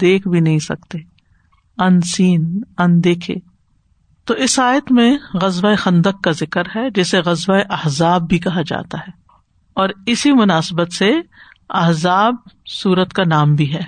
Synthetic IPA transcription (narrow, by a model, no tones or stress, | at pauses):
d̪eːkʰbʱinɐɦĩsɐ̰k̚t̪e | ɐnsiːnɐnd̪eːkʰḛː | t̪oːʔɪsaːjət̪mẽɣɐzʋaexɐ̃nd̪əkːazɪkəɾɦɛd͡ʒɛːseɣɐzwaeʔɐɦzaːbːʱikɐɦad͡ʒa̰ːt̪aɦɛː | ɔːɾɪsimʊnaːsbət̪se | ɐ̰ɦzaːb̚suːɾət̪kanaːmbʱiɦɛː